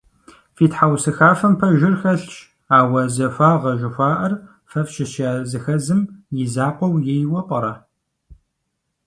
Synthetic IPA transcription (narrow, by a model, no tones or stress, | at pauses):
fiːtħawsɨxaːfɐmpʰɐʒɪrxɐɬt͡ʃʼ | aːwɐzɐfʷaːʁɐʒɪxʷaːʔɐr | fɐfʃɪɕaːzɨxɐzɨmjɪzaːqʷɔwjejwɐpʷʼɐɾɐ